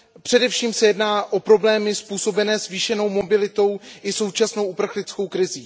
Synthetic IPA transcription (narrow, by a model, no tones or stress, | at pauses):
pr̥ɛdɛfʃiːmsɛjɛdnaːʔo̞pɾo̞blɛːmɪspuːso̞bɛnɛːzviːʃɛno̞wmo̞bɪlɪt̪o̞wʔɪso̞wt͡ʃasno̞wʔupr̩xlɪt͡sko̞wkɾɪziː